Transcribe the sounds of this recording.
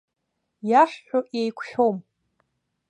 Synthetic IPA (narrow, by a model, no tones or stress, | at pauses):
jaħːᶣoʔjejkʷʰħᶣom